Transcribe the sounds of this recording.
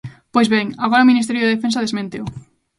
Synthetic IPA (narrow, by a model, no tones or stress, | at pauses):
pojzβeŋaɣɔɾɐominist̪eɾjoðeðefensɐðezmẽnt̪ew